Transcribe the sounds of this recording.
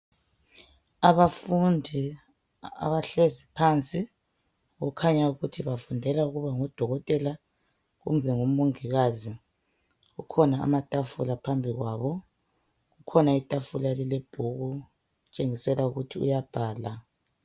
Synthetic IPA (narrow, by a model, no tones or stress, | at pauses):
aβafundʱi | a̰βaɬezipʰant͡sʼi | ɣɔkʰaɲauɣutʰiβafundʱɛlauɣuβaŋɔd̥ʱɔɣɔtʼɛla | ɣṵmbʱɛŋumuŋiɣazi | ɣukʰɔna̰ːmatʼafulapʰambʱiɣwaːβɔ | ɣukʰɔnaitʼafulalileb̥ʱuɣu | ut͡ʃʼeŋisɛlauɣutʰiṵjab̥ʱaːla